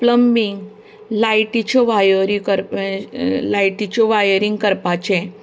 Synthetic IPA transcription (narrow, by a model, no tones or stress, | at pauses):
pləmbiŋɡ | lajʈit͡ɕɔʋajəɾikəɾ | lajʈit͡ɕɔʋajəɾiŋɡkəɾpat͡ɕe